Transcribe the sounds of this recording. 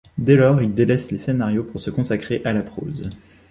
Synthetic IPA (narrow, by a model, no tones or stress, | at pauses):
d̪elɔːʁild̪elɛslesenaʁjopuʁsəkɔ̃sakχeʔalapχo̰ːz